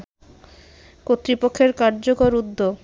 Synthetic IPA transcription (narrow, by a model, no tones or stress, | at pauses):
kot̪ːɾipokʰːeɾkaɾd͡ʑokoɾud̪ːo